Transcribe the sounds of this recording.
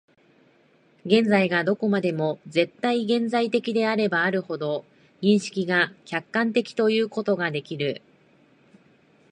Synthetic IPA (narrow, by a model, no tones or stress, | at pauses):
ɡẽ̞nd͡zaiɡad̪o̞ko̞mad̪e̞mo̞ze̞t̪ːaiɡẽ̞nzait̪e̞kʲid̪e̞aɾe̞baːɾɯ̟ho̞d̪o̞ | ɲĩɰ̃ɕi̥kʲiɡakʲakːãnt̪e̞kʲi̥t̪o̞jɯ̟ːko̞t̪o̞ɡad̪e̞kʲiɾɯ̟